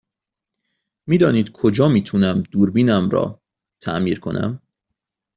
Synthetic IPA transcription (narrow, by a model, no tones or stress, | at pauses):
miːd̪ɒːniːd̪kʰod͡ʒɒːmiːt̪ʰunæmd̪̥uːɾbiːnæmɾɒ̰ː | t̪ʰæ̰ʔmiːɾkʰo̰nʔæ̰m